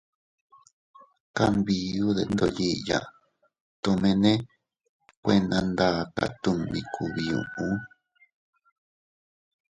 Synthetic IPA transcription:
ka˦mbi˧u˦ðe˧˦nd̪o˧˨ji˦ʔja̰˧˨ | t̪õ˧mẽ˧nẽ˦ | kʷe˧nã˧nd̪a˧˨˧ka̰˧˨t̪ũ˧mbĩ˧kʰu˧˨βi˧ṵ̃˧ʔũ˦

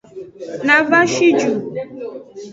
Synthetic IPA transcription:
na˨va˦ʃi˦d͡ʒu˨

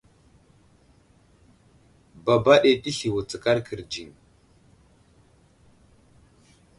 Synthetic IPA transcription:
ba˨ba˦ɗe˨ɗi˦ɬi˨wu˨t͡sə˨ka˦ɾkʰə˨ɾd͡ʒi˨n

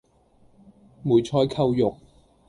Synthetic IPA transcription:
muː˨˩jt͡sʰɔː˧˥jkʰɐ˧wjʊ˨k̚

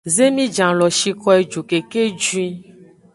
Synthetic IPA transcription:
ze˦mĩ˦d͡ʒã˨lɔ˨ʃi˨kɔ˦e˨d͡ʒu˨ke˨ke˦d͡ʒu˦ĩ˦

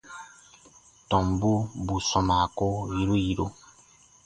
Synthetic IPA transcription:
tɔ̃˨mbu˦bu˨sɔ˨ma˨ko˦ji˨˦ɾo˦ji˨ɾo˦

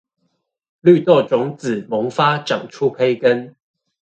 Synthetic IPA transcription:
ly˥˨t̪ɔ˥˩ʈ͡ʂʊ˨˦ŋt͡s̩˨˩mʊ˨˥ŋfa˥ʈ͡ʂɑ˨˩ŋʈ͡ʂʰu˦˥pʰe˥ɪkə˦n

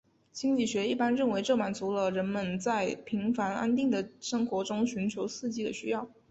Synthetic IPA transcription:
t͡ɕi˥ŋt͡ɕi˥˩ɕɥɛ˧˥i˥˩pa˥nɻə˥˩nwe˧˥ɪʈ͡ʂɤ˥˩ma˨˩nt͡su˧˥lə˧ɻə˧˥nmə˧nt͡sa˥˩ɪpʰi˧˥ŋfa˧˥na̰˥nt̪i˥˩ŋd̪ə˩ʂɤ˥ŋxwɔ˧˥ʈ͡ʂʊ˥ŋɕy˧˥nt͡ɕʰjo˧˥ʊsɹ̩˥˧t͡ɕi˥˩d̪ə̰˩ɕy˥jɑ˥˩ʊ

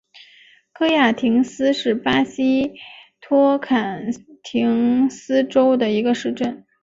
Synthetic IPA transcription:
kʰɤ˥˧ja˥˩t̪ʰi˧˥ŋsɹ̩˥ʂɻ̩˥˩pa˥ɕi˥t̪ʰwɔ˥kʰa˨˩nt̪ʰi˧˥ŋsɹ̩˥ʈ͡ʂo˥ʊd̪ə˨i˧˥ɡə˧ʂɻ̩˥˧ʈ͡ʂə˥˩n

